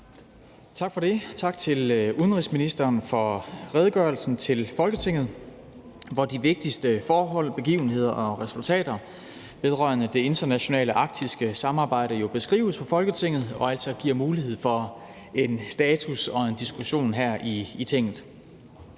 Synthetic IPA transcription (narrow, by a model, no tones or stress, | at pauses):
t͡sʰɑ̈ɡ̥fɒ̽ɾ̥e̝t͡sʰɑ̈ɡ̥̚t͡sʰe̝luð̞ˠənʁisminisd̥ɐːnfɒ̽ʁɛːðˠɡ̥ɶɐlsn̩t͡sʰe̝lfɒ̽lɡ̥ət͡sʰe̝ŋ̰ð̞̩ˠ | ʋɒd̥iʋe̝ɡ̥̚d̥isd̥əfɒːɦɒ̽l̰b̥e̝ɡ̥ḭːʊn̩he̝ð̞̰ˠɐʔɒ̽ʁɛsult͡sʰɛ̰ːd̥ɐ | ʋe̝ðˠʁɶ̰ɐnəd̥e̝e̝nd̥ɐnæɕo̝nɛ̰ːləʔɑ̈ɡ̥̚d̥isɡ̥əsɑ̈mɑ̈ːb̥ɑ̈ɪ̰ɾ̥əjo̝b̥e̝sɡ̥ʁḭːʊəsfɒ̽fɒ̽lɡ̥ət͡sʰe̝ŋ̰ð̞̩ˠɒ̽æl̰sɒɡ̥iɐ̰muːlihe̝ð̞̰ˠfɒ̽ | e̝nsd̥ɛːt͡sʰusɒ̽e̝nd̥isɡ̥uɕo̝̰ːnɦæɐ̰iːt͡sʰe̝ŋ̰ð̩ˠ